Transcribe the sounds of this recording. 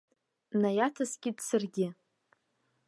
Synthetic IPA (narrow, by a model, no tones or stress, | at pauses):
najatʰasɡʲɪdsɨrɡʲɪ